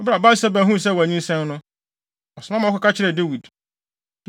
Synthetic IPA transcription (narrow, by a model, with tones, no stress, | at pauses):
ɔ˦bɾa˨ba˦sɛ˦bæ˨ɦũ˦˨sɛ˦˨wæ˨ɲĩ˦n˦sɛ̃˦n˦nʊ̃˦ | ɔ˨sʊ˨mã˦mã˨ɔ˦ka˦ka˦t͡ɕʰɪ˦ɾɛ˨de˦wi˨d